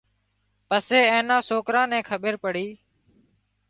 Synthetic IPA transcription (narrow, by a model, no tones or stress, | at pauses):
pəseːẽːnãːsoːkɾãːnɛ̃ːkʰəɓəɾpəɽiː